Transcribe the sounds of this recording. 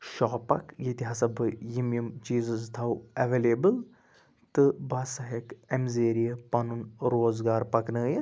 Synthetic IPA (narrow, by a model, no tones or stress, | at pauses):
ʃɔːpɐ̰kjit̪iɦasɐbʱɨjimjumt͡ʃiːzɐzt̪ʰɐwɐʋeːleːbɨl | t̪ɨbɐsɐɦekemzeːɾijɐpɐnunɾoːzɡaːɾpɐknəːjɐ